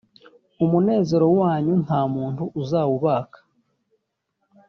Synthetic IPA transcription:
umune̞ːze̞ɾo̞waːɲun̥haːmuːntuʔːzaːwuβaːkḁ

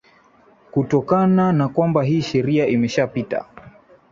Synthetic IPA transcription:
kutɔkananakwambaɦiːʃɛɾiaʔimɛʃapita̰

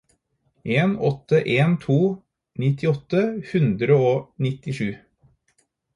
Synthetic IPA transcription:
ʔeːnɔt̪ːəʔeːnt̪ʰuː | nɪt̪ɪɔt̪ːəhʉnd̪ɾəoːnɪt̪ɪʂʉː

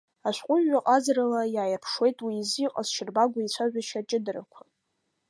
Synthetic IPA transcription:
aʃʷqʷʼʊʒːaqʼazralajaːjɪrpʰʂwe̞jtʼwiːziqʼazʃʰɪrbaɡʷait͡ɕʷʰaʒᶣaʃat͡ʃʼɪdɨrakʷʰḁ

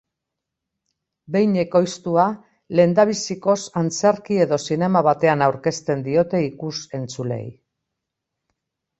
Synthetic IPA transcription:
be̞jɲe̞ko̞jst̪ua | le̞nd̪aβ̞isiko̞sant͡seɾkie̞ðo̞sine̞maβat̪e̞anawɾke̞st̪e̞nd̪io̞t̪e̞ikuse̞nt͡sule̞̰j

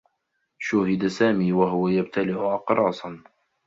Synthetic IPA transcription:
ʃʊhɪd̪asaːmiːwaɦʊwajab̚t̪ʰalɪʔʊʔɑqɾˤɑːsˤɑn

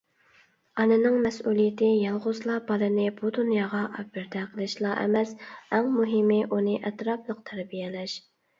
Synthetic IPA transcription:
ɑnɨnɨŋmɛsulˠijɪt̪ʰɪjɑlˠʁʊzlˠɑbɑlˠɨnɪbud̪unjɑːʁɑʔɑbbɪɾd̪ɛqʰəlˠɨʃlˠɑʔɛ̰mɛsæŋmuɦɪmɪʔunɨʔɛt̪ɾɑplˠəq̚t̪ʰɛɾbijɛlɛʃ

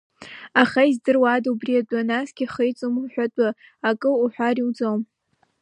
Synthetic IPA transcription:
aχaizdɨrwadubriadʼanazɡʲiχəjt͡sʼomuħʷᶣatʼaakʼɨuħʷᶣariwd͡zom

